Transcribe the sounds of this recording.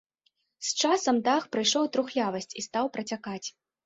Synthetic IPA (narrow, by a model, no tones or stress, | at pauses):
st͡ʂasɐmd̪axpɾɨjʂɔwt̪ɾuxlʲavɐsʲt͡sʲist̪awpɾɐt͡sʲakat͡sʲ